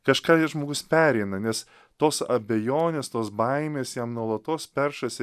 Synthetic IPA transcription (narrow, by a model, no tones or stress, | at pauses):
kɐʃkɑːjɛʒmoːɡʊspʲæːɾʲɛɪnɐnʲɛs | t̪oːsɐ̰bʲɛjoːnʲeːst̪oːsbɐɪmʲeːsjæːmnuɔlˠɐt̪oːspʲɛɾʃɐsʲɪ